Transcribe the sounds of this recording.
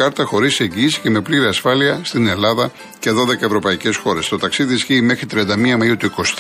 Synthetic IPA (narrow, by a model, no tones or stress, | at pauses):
ɐɾt̪ɐxo̞ɾise̞ɲɟiːsi̥ce̞me̞pliɾiɐsfɐliɐst̪ine̞lɐðɐ | ce̞ðo̞ðe̞kɐevɾo̞pɐice̞sxo̞ɾe̞st̪o̞t̪ɐksiðiisçiːme̞xɾit̪ɾiɐnd̪ɐmiɐmɐiut̪uiko̞s